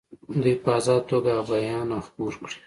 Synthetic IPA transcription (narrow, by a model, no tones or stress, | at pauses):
d̪ipɑzɑːt̪oɡabajɑnaxpuɾkɽi̥